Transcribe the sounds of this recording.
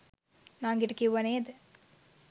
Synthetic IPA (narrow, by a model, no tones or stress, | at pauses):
naːŋɡiʈkiʋɐneːd̪